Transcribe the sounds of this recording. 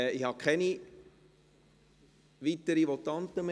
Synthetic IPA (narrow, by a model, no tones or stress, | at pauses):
ihɑkʰχɛni | ʋit̪əɾiʋot̪ɑnt̪əm